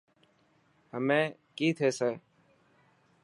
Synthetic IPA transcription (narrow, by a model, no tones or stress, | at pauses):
həmẽː | kiːt̪ʰeːseː